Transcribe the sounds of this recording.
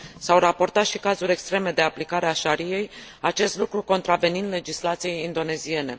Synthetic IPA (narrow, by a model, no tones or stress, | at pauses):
sawrapo̞rt̪at̪ʃikazuɾʲe̞kst̪ɾe̞me̞d̪e̞aplikaɾeaʃaɾije̞j | at͡ʃe̞st̪lukɾuko̞nt̪ɾave̞nind̪le̞d͡ʒislat̪sije̞jind̪o̞ne̞zie̞ne̞